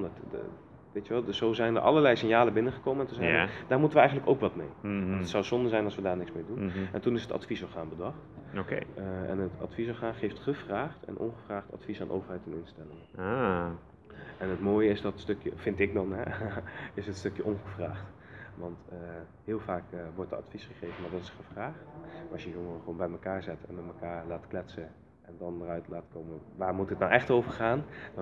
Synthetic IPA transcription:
t | ʋejtəʋɛlˠz̥owzɛjndə̰ɹʔɑ̰ləɹlɛjsɪnjaːləbɪnəχəkowməɛntəzɛjd̥aːɹmutəʋəɛjxχəntləkowkʋɑtmḛjɑntətsɔwsɔndəzɛjnɑlsʋədaːɹnɪksmɪːdunɛ̰ntunɪsətɑ̰tfisɔχaːnbədɑχtokḛɛ̰nətɑ̰tfisɔχaːnχejftχəvraːχtɛ̰nʔɔ̰nχəvraːχtɑ̰tfisaːnʔo̰ːwvəɹɦɛjtɛnɪnstɛlɪŋəa | ɛnətmoːjəɪsdɑtstɵkjə̰fɪntɪk̚dɑnɦɛ | ɪsətstɵkjəʔɔnχəvraːχt | ʋɑntə | ɦɪːlˠvaːkːʋɔɹtdəɑ̰tfisχəχejvənmaːɹdɑtɪ̥sχəv̥raːχtɑsjəjɔŋərəχəʋoːnbɛjməkaːɹzɛtɛ̰nmɛtməkaːɹlaːtklɛtsə | ʔɛndɑndərœɥtlaːtkowməʋaːɹmutətnawʔɛχtowvəɹχaːn

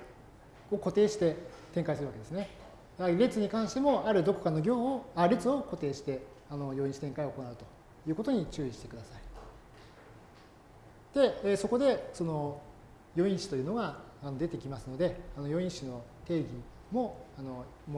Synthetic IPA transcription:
oko̞t̪eːɕi̥t̪e̞t̪ẽ̞ŋkaisɨɾɯ̟βakeesɨne̞ | aɾe̞t͡sɨɲ̟ikãɰ̃ɕi̥t̪e̞mo̞aɾɯ̟d̪o̞ko̞̥kano̞ɡʲo̞ːoaɾe̞t͡sɨo̞ko̞t̪e̞ːɕi̥t̪e̞ | ano̞jo̞ĩɕi̥t̪ẽŋkaiokonaɯ̟t̪o̞ | jɯ̟ːko̞t̪o̞ɲ̟it͡ɕɨːiɕi̥t̪e̞kɯ̟d̪asai̥ | d̪̥e̞ːso̞ko̞d̪e̞so̞no̞ | jo̞ĩɕi̥t̪o̞jɯ̟ːno̞ɡaː | no̞d̪e̞t̪e̞kʲimasɨno̞d̪e̞anojo̞ĩɰ̃ɕino̞t̪e̞ːɡʲi | mo̞ano̞m

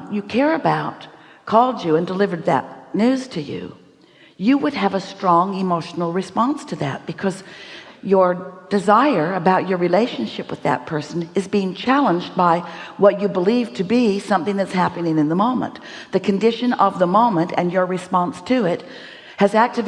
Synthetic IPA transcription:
jɨkʰɛɹɨbaʊt̚ | kʰɔlˠd͡ʒɨɨ̃ndəlɪvə˞d̪̚ðɨ̰tⁿnʉz̥tʰɨjʉ̰ | jɨwəd̚ɨvəstɹ̥ɔ̃ŋɨmoʊʃn̩l̩ˠɹɨspɑ̃nstʰɨðɨ̰t̚b̥ɨkʰʌzjə˞d̥ɨzaɪə˞ɨbaʊt͡ʃə˞ɹileɪʃɨ̃nʃɪpwəðɨ̰t̚pʰɜ˞sɨ̃n̩ɨzbiɪ̃ŋt͡ʃʰælˠə̃nd͡ʒbaɪwʌt͡ʃɨbəliv̥tʰɨbisʌ̃mθɪ̃ŋðɨtshæpɨnɪ̃ŋɨ̃nðəmõʊ̃mə̰̃nðɨkʰɨ̃n̩dɪʃɨ̃nʌvðəmõʊ̃mɨ̃ntɨ̰̃njə˞ɹɨspɑ̃nstʰɨɪt̚ | hɨzæk̚tɨv

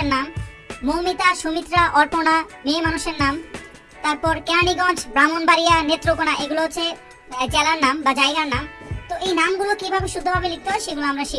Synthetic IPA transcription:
ɾnamː | oɦmit̪aʃumit̪ːɾaʔɔɾponamemanuʃeɾnam | t̪aɾpɔɾkɛ̃aɽiɡɔ̃d͡ʑʰbɾamonbaɾijanet̪ːɾokonaʔeɡuloɦoːt͡ɕʰe | d͡ʑɛlaɾnambad͡ʑajɡaɾnamt̪oʔejnamɡulokibʱabeʃud̪ʱːobʱabelik̚t̪oaʃeɡuloamɾaʃi

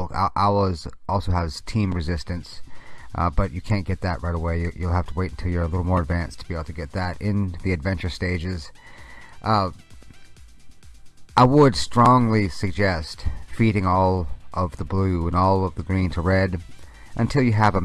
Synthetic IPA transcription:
ʔaʊəzʔɔlˠsoʊəz̥tʰĩmɹɨzɪstɨ̃ns | b̥ʌt͡ʃɨkʰæ̃nɡ̥ɛt̪̚ðɨʔ̚ɹʔaɪɾəweɪjɨjulˠhæftʰəweɪɾn̩tʰɪlˠjə˞əlɪɾl̩ˠmɔɹɨdvæ̃nstʰəb̥ieɪbl̩ˠtʰɨɡɛt̪̚ðɨɾɪ̃nðiɨdvɛ̃nt͡ʃə˞steɪd͡ʒɪz | ʔ | ʔaɪwədstɹ̥ɔ̃ŋlisɨɡ̚d͡ʒɛstfiɾɪ̃ŋɔlˠʔʌvðəblʉə̃nɔlˠʌvðɨɡɹĩntʰəɹɛɾ | ʔɨ̃ntʰɪlˠjɨəvə

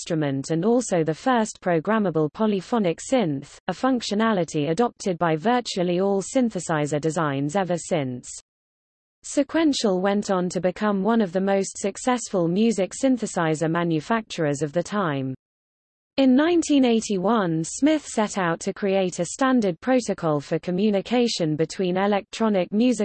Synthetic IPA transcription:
stɹ̥əmə̃ntʰə̃nɔˑlˠsəʊðəfɜˑspʰɹ̥əʊɡɹaməbəlˠpʰɒlifɒnɪksɪ̃nθ | əfʌ̃ŋkʃənalɪtʰiədɒp̚tʰɪd̚baɪvɜˑt͡ʃuəliɔːlˠsɪ̃nθəsaɪzədɪzãɪ̃nzɛvəsɪ̃ns | sɪkʰw̥ɛ̃nʃəlˠwɛ̃ntn̩tʰəbɪkʰʌ̃mwʌ̃nəvðəməʊstsəksɛsfəlˠmjʉːzɪksɪ̃nθəsaɪzəmãnjəfak̚t͡ʃəɹəzəvðətʰãɪ̃m | ɪ̃nːãɪ̃ntʰĩneɪtʰiwʌ̃nsmɪθsɛtʰaʊtʰəkʰɹ̥ieɪtʰəstãndəd̚pʰɹ̥əʊtəkʰɔlˠfəkʰəmjʉːnɪkʰeɪʃə̃nbɪtʰw̥ĩːnɪlɛk̚tʰɹ̥ɒnɪk̚mjʉːzɪ

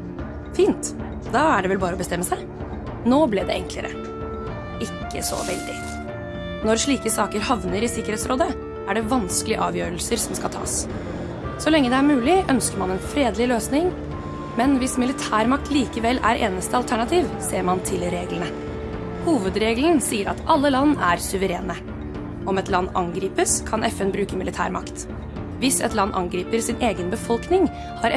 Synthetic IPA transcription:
fiːnt̪ | d̪ɑæɖɛʋɛlbɑːɾəɔbəst̪ɛmːəsæɪ | noːblɪːd̪ɛ̰ʔɛŋklə̰ɾə̰ | ɪkːə̰sɔ̰ʋɛ̰ld̪ɪ | nɔɾʂɭiːkəsɑːkəɾhɑʋnəɾɪsɪkːəɾheːt̪sɾoːd̪ə | ʔæɖɛʋɑnskəlɪəʔɑːʋjøːɾəlsəɾsɔmskɑlt̪ʰɑ̰ːs | sɔlɛŋːəd̪ɛæɾmʉːlɪʔœnskəɾmɑnɛnfɾeːd̪lɪløːsnɪŋ | mɛnʋɪsmɪlɪt̪ʰæːɾmɑk̚t̪ʰliːkəʋɛlʔæ̰ɾʔeːnəst̪əɑlt̪ʰæɳɑt̪ʰiːʋseːɾmɑnt̪ʰɪlɾeːɡlənə | huːʋəd̪ɾeːɡln̩siːəɾɑ̰t̪ɑlːəlɑnːæɾsʉʋəɾḛːnə | ɔmɛt̪lɑnːɑ̰ŋɡɾiːpəskʰɑnɛfɛnbɾʉːkəmɪlɪt̪ʰæ̰ːɾmɑkt̪ | ʋɪsɛ̰t̪lɑnːʔɑ̰ŋɡɾiːpəɾsɪneːɡənbəfɔlknɪŋ | hɑɾɛ

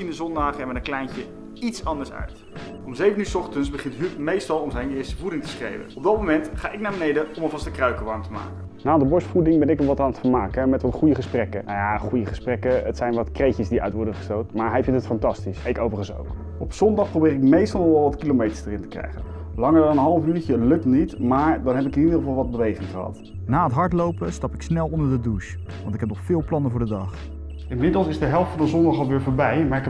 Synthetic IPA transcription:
sindəzɔndaːχɛʋənəŋklɛjncə | itsɑndəɹsœ̰ɥt | ɔmzejvəntyːsɔχtənsbəχɪntɦypmejstɑlˠɔmzɛjnɪːɹstəvudɪŋtə̥sχrḛjvə̰nɔb̚dɑt̚momɛntχa̰ːʔɪk̚naːɹbənejdəɔməlˠvɑstəkrœɥkəʋɑɹmtəma̰ːkənnaːdəbɔɹstfudɪŋbɛnɪknɔʋɑtaːnətfəɹmaːkəmɛtʋɑtχujəχəsprɛkəjaχujəχəsprɛkəətsɛjnʋɑtkrejcəsdiœ̰ɥtʋɔɹdənχə̥stowtəmaːɹɦɛjvɪntətfɑntɑstisɪkowvərχənso̰wk | ɔpsɔndɑχprowbɪːɾɪk̚mejstɑlˠnɔɛlˠʋɑtkilomejtə̥ɹsdərɪntə̥krɛ̰jχə̰n | lɑŋəɹdɑnənɦɑlˠəfyːcəlɵk̚nitmaːɹdɑnɦɛpɪkɪnidəχəvɑlˠʋɑd̚bəʋejχɪŋχəɦɑ̰t | naːətɦɑɹtlowpəstɑpɪksnɛlˠɔndəɹdəduʃ | ʋɑntɪkɦɛp̚nɔχfɪːlˠplɑnəvʊːɹdədɑχ | ɪnmɪdəl̩ˠsɪzdəɦɛlˠftfɑndəzɔndɑχɑlˠʋɪːɹvʊːɹbɛjmaːɹɪk

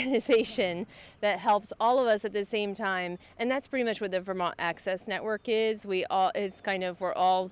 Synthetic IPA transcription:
ɨnɨzeɪʃɨ̃nðɨt̚ɦɛlˠpsɔlˠʌvʌsɨt̪̚ðɨsẽɪ̃mtʰãɪ̃mʔɨ̃nðætspʰɹ̥ɪɾimʌt͡ʃwʌt̪̚ðɨvə˞mɑ̃næksɛsnɛʔwɜ˞kɪzwiʔɔlˠɪtz̥kʰãɪ̃ndʌvwɪɹʔɔlˠ

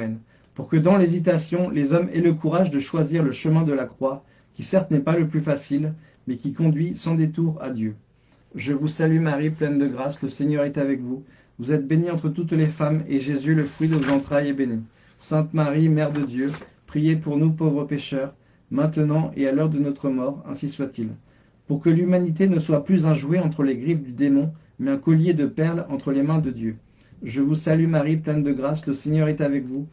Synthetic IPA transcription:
ɛn | puʁkəd̪ɑ̃lezit̪asjɔ̃lezɔmeləkuʁaʒd̪əʃwaziʁləʃəmɛ̃d̪əlakχwa | kʲisɛʁt̪nɛpaləplyfasil | mɛkʲikɔ̃d̪ɥisɑ̃d̪et̪uʁa̰d̪jø | ʒəvusalymaʁiplɛnd̪əɡʁasləseɲœʁɛt̪avɛkvu | vuzɛt̪̚beniɑ̃t̪χət̪ut̪lefameʒezyləfχɥid̪əvozɑ̃t̪χajebeni | sɛ̃t̪maʁimɛʁd̪əd̪jø | pχijepuʁnupovʁəpeʃœʁ | mɛ̃t̪ənɑ̃ʔealœʁd̪ənɔt̪χəmɔʁɛ̰̃siswat̪il | puʁkəlymanit̪̬enəswaplyzɛ̃ʒuweɑ̃t̪χəleɡʁifd̪yd̪emɔ̃ | mɛɛ̃kɔljed̪əpɛʁlɑ̃t̪χəlemɛ̃d̪əd̪jø | ʒəvusalymaʁiplɛnd̪əɡʁasləseɲœʁɛt̪avɛkvu

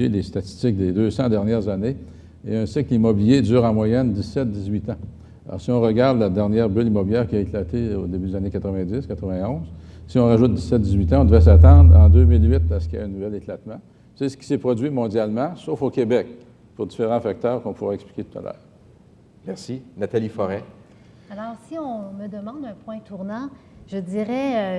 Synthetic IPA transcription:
elest̪at͡s̪i̥stt͡sɪk̚d̪ed̪øsɑ̃d̪ɛʁnjɛːʁzane | eə̃sɪklimɔbiljed̪zyːʁɑ̃mwajɛnd̪isɛt̪̚d̪izɥit̪ã | lɔ̰ːʁsiɔ̃ʁəɡaʁd̪lad̪ɛʁnjɛːʁbʏlimɔbiljɛːʁkʲiaeklat̪eod̪ebyd̪ezanekat̪ʁəvɛ̃d͡z̪ɪskat̪ʁəvɛ̃ɔ̃z | siɔ̃ʁaʒʊt̪̚d̪isːɛt̪̚d̪izɥit̪ãɔ̃d̪əvʁɛs̬at̪ɑ̃d̪ʁɑ̃d̪ømɪlɥɪt̪asə̥kʲia̰ɛ̃nuvɛleklat̪mã | sesə̥kʲi̥sepʁɔd͡zɥimɔ̃d̪jalmɑ̃sofokʲebɛk̚ | puʁd̪ifeʁɑ̃fak̚t̪œːʁkɔ̃puʁɛɛkspli̥kʲet̪u̥t̪a̰lʔœ̰ːʁ | mɛʁsinat̪alifɔʁɛ | alɔːʁsiɔ̃məd̪əmɑ̃d̪ɛ̃pwɛ̃t̪ʰuʁnɑ̃ʒəd͡z̪iʁɛ

